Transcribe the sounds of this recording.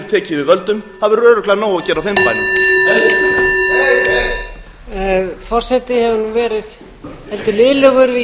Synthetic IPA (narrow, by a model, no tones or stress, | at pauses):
ɾ̥t̪ʰɛːcɪvɪðvœlt̪ʏmhaðvɛɾœːɾʏklanoːwacɛːɾawθɛmpaːjnɪ | fɔr̥sɛt̪ɪhɛvʏnuvɛːɾɪð | hɛlt̪ʏlɪːlœɣʏɾvɪ